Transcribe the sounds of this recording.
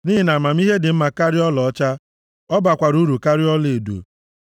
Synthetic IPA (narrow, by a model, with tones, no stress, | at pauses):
niː˦ɦi˨na˨ma˨m˦i˦ɦe˦dɪ˨m̩˦ma˨ka˦ɾɪ˦ɔ˦lɔ˨ɔ˦t͡ʃa˦ | ɔ˦ba˨kʷa˨ɾu˦ɾu˨ka˦ɾɪ˦ɔ˦le˨dṵ˨